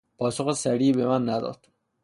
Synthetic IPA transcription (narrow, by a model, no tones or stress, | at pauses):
pʰɒːsoxesæɾiːbemænːæd̪ɒ̰ːd̪̥